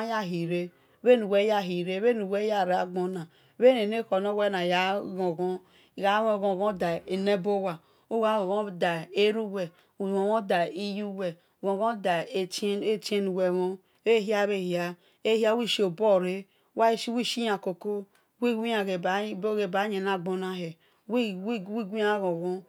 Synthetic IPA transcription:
ja˦ɦi˨ɾe˦ | βe˦nu˨we˦ja˦ɦi˨ɾe˦βe˦nu˨we˦ja˦˨ɾa˨ɡ͡bo˦na˨˦ | βe˦ne˨ne˦ko˨no˦we˦na˨ja˦ɡo˨ɡo˦˨ | ɡa˨˦wo˦˨ɡo˨ɡõ˦da˨e˨ne˦bo˦wa˨ | u˦a˦o˨ɡo˦da˨e˦ɾu˦wɛ˨ | õ˨wo˦da˨i˦ju˦wɛ˨ | ɡõ˨ɡõ˦da˨˦e˦t͡ʃe˦nu˨we˨wo˦ | e˦ɦi˦a˦βe˦˨hja˦ | e˦ha˦wi˦ʃo˨bo˦˨ɾe˦ | wa˦i˦ʃi˦wi˦˨ʃi˦ja˨ko˨ko˦ | wi˦wi˦a˨ɣe˨˦bo˦ɣe˨ba˨˦ɲe˨n˦a˦ɡ͡bo˨na˦ɦe˨ | wi˦i˦wi˦ɡi˦a˦ɣõ˨ɣo˦

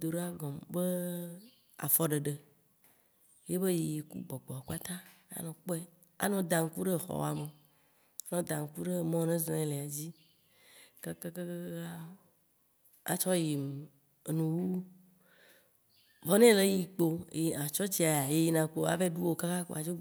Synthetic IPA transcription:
d̪o˨ɖe˦a˦ɡɔ̃˨mbe˦ | a̰˨fɔ˦ɖe˨ɖe˨ | je˦be˦je˨ji˨kṵ˦ɡ͡bɔ˨ɡ͡bɔ˨a˨k͡pa˦t̪ã˦ | a̰˦nɔ̃˨k͡pɔ˦ɛ˦ | a̰˨nɔ̃˨d̪ã˨ŋ̩˦ku˦ɖe˦˨xɔ̰˨w̰a˨me˨ | a˦nɔ̃˨d̪ã˨ŋ̩˦ku˦ɖe˦mɔ̃˦nẽ˦zẽ˦le˨a˨d͡ʑi˦ | ke˦ke˦ke˦ka˦ | a̰˨t͡ʃɔ˦ji˨m˨ | nũ˨wu˦ | vɔ˦nẽ˦le˦ji˦k͡po̰˦˨i˨ã˨t͡ʃɔ˦t͡ɕi˦a˨ja˨je˦ji˦nã˨k͡po˦a̰˨ve˦ɖu˦wo˦ka˦ka˦ko̰˦a˨d͡ʒo˦

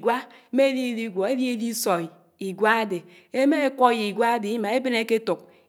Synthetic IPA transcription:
ɡwa˦ | e˦e˦li˦e˨li˦ɡʷɔ˨e˦li˦e˦li˦sɔ˨ | i˨ɡʷa˦a˦de˨ | e˦me˦e˦kʷɔ˦ji˨ɡʷa˦a˦de˨i˦ma˨e˦be˦ne˦ke˦tu˨k̚

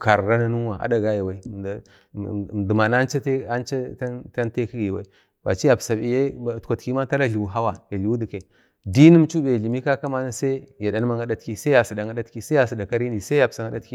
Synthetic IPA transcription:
ka˨ɾɾa˦na˦nu˦wa˨a̰˦da˨ɡa˦ja˨wa˦i˦˨ | du˨ma˨n˦a˦nt͡ʃa˦te˦a˦nt͡ʃa˦a˦ta˦n˦te˦ki˦ɡwa˦i˦ | wa˨t͡ʃi˦ja˨psa˨i˨je˦˨tkʷa˨tki˦ma˦ta˦la˦ɬi˨wu˨ɦa˦wa˨ja˨ɮu˨wu˦di˨ke˨ | di˦ni˦m˦t͡ʃu˦be˨ɮi˨mi˦ka˦ka˦ma˦na˦sa˦ja˨da˨˦n˦ma˦ŋa˦da˦tki˦sa˦ja˨si˨da˨ŋa˦da˦tki˦sja˨si˨da˨ka˦ɾi˦ni˨sa˦a˨psa˨ŋa˦da˦tki˦

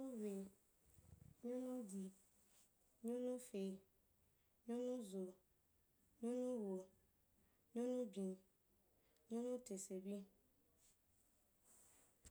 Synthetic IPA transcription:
ʊ̃˦we˨ | ɲʊ̃˦nʊ̃˦di˨ | ɲũ˦nʊ̃˦fe˨ | ɲʊ̃˦nʊ̃˦zo˨ | ɲũ˦nʊ̃˦wo˨ | ɲʊ̃˦nʊ̃˦bĩ˨ | ɲʊ̃˦nʊ̃˦tʰe˨se˨bi˦

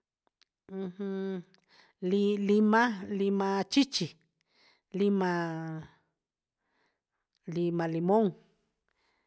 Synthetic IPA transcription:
h̩˦ | li˧li˧mã˦li˧mã˧t͡ʃi˦t͡ʃi˨ | li˧mã˧ | li˧mã˧li˧mõ˦ŋ

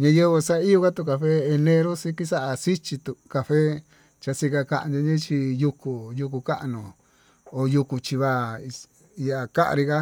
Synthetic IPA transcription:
ɲã˧je˦˧βe˧sa˦˧˦i˦jo˧ka˦t̪u˧˨ka˧fe˦e˧nẽ˧ɾo˦sĩ˧ki˦sa˦ʔa˨si˦t͡ʃi˧t̪u˧ka˧fe˦ | t͡ʃa˧si˧ka˧ka˧ʔnd̪õ˧ɲĩ˦t͡ʃi˧ju˧ku˨ju˧ku˧ka˦ʔnõ˨ | o˨ju˧ku˧t͡ʃi˧βa˧˨i˧ | i˧ja˨ka˦ʔa̰˧ɾi˧ka˦

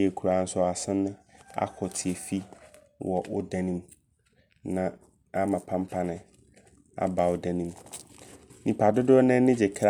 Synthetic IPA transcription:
e˨kʰu˨ɾa˨n̩˦sʊ˦a˨sɪ̃˦nʊ̃˦a̰˦kʰɔ˨tʰɪ˨ɛ˨fi˦ | wʔɔ˨ʔʊ˦da˦nĩ˦m | nã˨ | a˦mã˨pʰã˦m˦pʰa˦nɪ̃˨ | a̰˨ba˨wʊ˨dɛ˦nĩ˨m | nĩ˨pʰa˨dʊ˦dʊ˦ɔ˦nɛ̃˦nɪ̃˦d͡ʑɛ˨kʰɾa˦

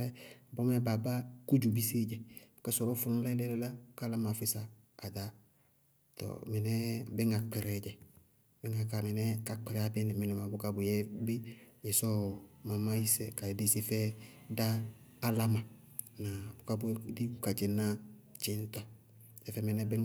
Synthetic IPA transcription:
ɛ˦bɔ˦mɛ˦ba˨ba˦ku˦d͡ʒu˨bi˦se˦d͡ʒɛ˨bu˨ka˦sɔ˨ɾɔ˦fʊ˨nu˦la˦lɛ˦lɛ˦la˦bka˦la˦ma˨fɪ˦saː˨ | da˦ | tɔ̰˨mɛ˨nɛ˦bɪ˦ŋa˨k͡pɛ˨ɾɛ˨d͡ʒɛ˨ | bɪ˦ŋa˨ka˨mɛ˨nɛ˦ka˨k͡pɛ˨ɾɛ˨a˦bɪ˦nɪ˨mɛ˨nɛ˨ma˨bʊ˦ka˦bʊ˨jɛ˦bi˦jɛ˨sɔ˦ma˨ma˦i˦sɛ˨ka˨di˦˨se˦fɛ˦ | daː˦ | la˦ma˨ | na˨bu˨ka˦bʊ˦di˦u˨ka˨t͡ʃɛ˨na˦ | t͡ʃɪ˦n˦tɔ˨ | sɛ˨fɛ˨mɛ˨nɛ˦bɪ˦

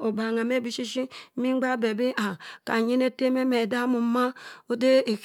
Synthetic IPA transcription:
o˨ba˨ŋa˨me˦bi˦ʃi˦ʃi˦mi˦ŋ͡mɡ͡ba˦be˨bi˦ʔa˨ka̰˨ɲi˦ne˦te˦me˦me˨da˦mu˨˦ma˦o˦de˦e˨k

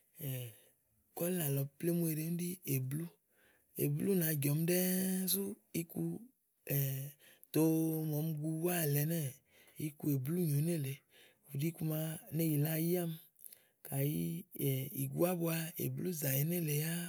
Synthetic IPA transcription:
ɛ˨ | kɔ˦la˨lɔ˨ple˦mu˦e˨ɾe˨˦m˦di˦e˨blu˦ | ḛ˨blu˦na˨˦ɡɔ˨m˦dɛ˦su˦i˦ku˧ | ɛ˨ | t̪o˦mɔ˨˦m˦ɡu˧wa˦˨lɛ˨nɛ˦˨ | i˦ku˦e˨blu˦ɲo˨˦ne˦˨le˨ | u˨di˦ku˧˦ma˧ne˦ji˨la˦ji˦a˦m | ka˨ji˦˨i˨ɡu˦a˦bo˦a˧ḛ˨blu˦za˨je˨ne˦le˨ja˦

